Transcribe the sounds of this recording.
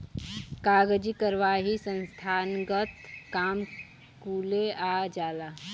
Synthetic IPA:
kaːɡd͡ʒikəɾʋaːɦisə̃nst̪ʰaːnɡət̪kaːm | kuːlead͡ʒaːlaː

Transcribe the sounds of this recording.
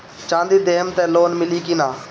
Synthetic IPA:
t͡ʃãːnd̪iːd̪eːəmt̪ɛːloːnmɪliːkɪnãː

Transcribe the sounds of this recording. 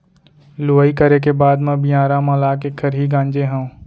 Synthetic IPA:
loːikəɾek̬ebaːd̪mɐ̃bijãːɾamɐlaːkekʰəɾɦiɡãːɲd͡ʒeɦɛ̃

